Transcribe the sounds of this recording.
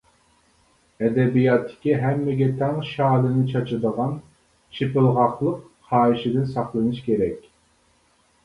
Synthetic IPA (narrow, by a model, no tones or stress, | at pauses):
ɛd̪ɛbijɑt̪ʰːɪ̥kʲiɦɛmːɪɡʲɛt̪ʰɛŋʃɑːlˠɨnɨt͡ʃʰɑt͡ʃʰɨd̪əʁɑn | t͡ʃʰɪpɪlˠʁɑχlˠəq | χɑːiʃɪd̪ɪnsɑχlˠɨnɨʃkʲeɾɛkʲ